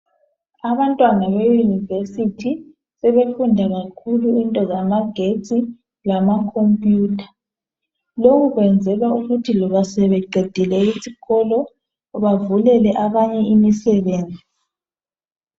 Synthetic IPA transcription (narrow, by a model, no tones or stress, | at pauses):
aβantʼwanaβejunivesitʰi | sɛβefundʱaɣakʰuluintʼɔzamaɡ̥ʱet͡sʼi | lamakʰompʼjuːtʰḁ | lokuɣwɛnd͡zʱɛlauɣutʰilɔβasɛβɛɡ͡ǀʱed̥ʱilɛisiɣɔlɔ | ɔβavulɛlɛʔaβaɲɛimisɛβeːnd͡zʱi